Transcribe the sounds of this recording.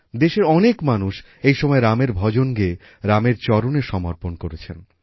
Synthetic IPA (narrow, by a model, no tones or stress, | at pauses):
d̪eʃeɾɔnekmanuʃ | ejʃɔmɔeɾameɾbʱɔd͡ʑonɡeː | ɾameɾt͡ɕɔɾoneʃɔmoɾponkoɾet͡ɕʰen